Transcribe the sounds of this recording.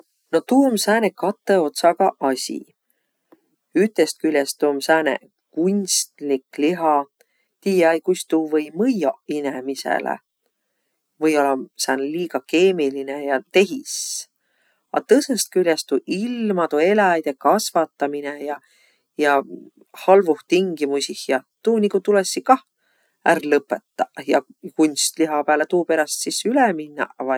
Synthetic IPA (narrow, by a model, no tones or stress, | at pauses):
no̞t̪uːmsæːnekɑt̪ːe̞o̞t̪sɑɡ̥ɑʔɑsʲḭ | yt̪est̪̚kylʲest̪umsæːnḛ | kunʲst̪likliɦɑ | t̪iːjɑjkust̪uːvɤjmɤjoinemisḛlḛ | vɤjo̞lːɑsæːneliːɡ̥ɑke̞ːmilinejɑt̪e̞ɦis | ɑ̰t̪ɤsest̪̚kylʲjest̪uʔilmɑt̪ue̞lɑjd̪̥ekɑsvɑt̪ːˑɑminejɑ | jɑ | hɑlvuht̪iŋɡimusihjɑt̪uːnikut̪ulesːikɑh | ærlɤpːˑe̞t̪ːɑjɑkunʲst̪liɦɑpæːlet̪uːpe̞ɾɑst̪sisyleminːɑ̰vɑ